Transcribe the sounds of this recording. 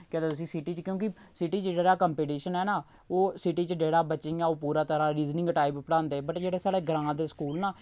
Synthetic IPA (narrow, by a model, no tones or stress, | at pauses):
ked̪eːt̪ʊs̬ĩːsɪʈiːt͡ʃkjõːkɪsɪʈiːt͡ʃeɖeːɽaːkəmpiːʈiːʃənɛːnaː | oːsɪʈiːt͡ʃəɖeːɽaːbəːt͡ʃɪ̃ŋɡaːoːpuːɾaːt̪əɾãːɾiːznɪ̃ŋɡʈaːɪppəɽãːnd̪eːbəʈd͡ʒeːɽeːsaːɽeːɡəɾãːd̪eːskuːlnaː